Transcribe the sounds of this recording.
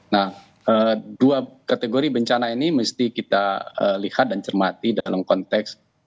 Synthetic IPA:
nah | ʔəːduakat̪eɡoɾibəɲt͡ʃanainiməst̪ikit̪aə̰lihat̪̚dant͡ʃərmat̪idalamkɔnt̪ɛks

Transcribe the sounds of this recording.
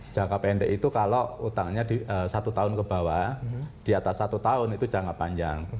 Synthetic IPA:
d͡ʒ̥akapeɛnd̪ɛʔit̪ukaloʔut̪aŋɲad̥iəsat̪ut̪aʊnkəb̥a̤wad̥iat̪asːat̪ut̪aʊnit̪u̥d͡ʒa̤ŋapaɲd͡ʒa̰ŋ

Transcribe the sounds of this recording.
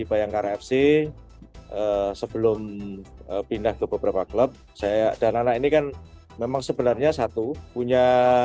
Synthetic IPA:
ipajaŋkaɾɛfse | ʔəsəb̥əlʊməpindahkəbəbəɾapakləp̚ | sajad̥ananainikan | memaŋsəbənarɲasat̪upuɲa

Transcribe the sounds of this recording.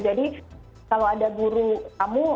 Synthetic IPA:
d͡ʒadi | kalowadaɡuɾukamu

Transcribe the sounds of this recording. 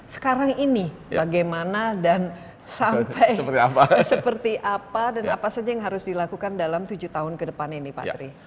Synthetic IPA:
sə̥kaɾaŋini | baɡajmanadan | sampʰajəət̪iapasəpərt̪iʔapadanapasad͡ʒajaŋɦaɾʊsdilakukandalamt̪ud͡ʒut̪aɦʊnkədəpaninipa̰t̪ɾi

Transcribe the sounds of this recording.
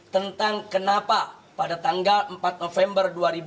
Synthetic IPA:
t̪ənt̪aŋkənapapadat̪aŋɡaləmpat̪̚nofɛmbərduaɾib

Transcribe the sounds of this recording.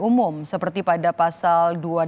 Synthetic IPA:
umʊmsəpərt̪ipadapasaldua

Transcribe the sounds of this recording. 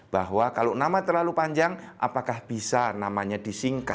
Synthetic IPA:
b̥aɦwakalonamat̪ərlalupaɲd͡ʒaŋʔa̰pakahb̥isanamaɲadisiŋka

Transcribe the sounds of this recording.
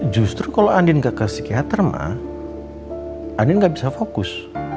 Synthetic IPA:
d͡ʒust̪ɾukaloandɪnɡaʔkəsi̥kiɦat̪ərma̰ | ʔandɪnɡaʔbisafokʊs

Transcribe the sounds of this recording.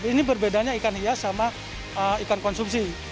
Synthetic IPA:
inibərbedaɲaikanhiasama | əikankɔnsumsi

